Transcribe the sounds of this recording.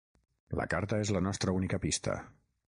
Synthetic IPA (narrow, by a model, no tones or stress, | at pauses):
lə̰kaɾt̪əezlənɔst̪ɾəunikəpist̪ʰə̰